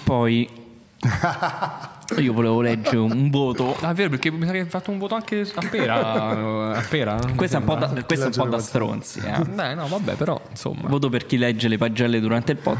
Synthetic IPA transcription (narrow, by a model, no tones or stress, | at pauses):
pɔj | iːovoleːvolɛd͡ʒːeɾeuɱvoːt̪oavːeːɾop̬erk̟ːemisakefːat̪ːouɱvoːt̪oaŋkeapːeːɾa | apːeːɾakwest̪ɛumpɔd̪akːwest̪ɛumpɔd̪ːast̪ɾo̰nt̪sḭɛ̰ɛnɔvabːɛ̰peɾɔ̰inso̰mːa̰voːt̪operk̟ilːɛd͡ʒːelepad͡ʒːɛlːed̪uɾant̪eilpɔ̰